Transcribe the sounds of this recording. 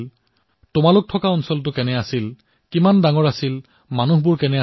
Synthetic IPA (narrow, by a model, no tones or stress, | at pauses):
l | tʊmalʊk̚tʰɔkaɔnsɔlt̬ʊkɛnɛasil | kimandaŋɔɹasil | manuɦbʊɹkɛnɛa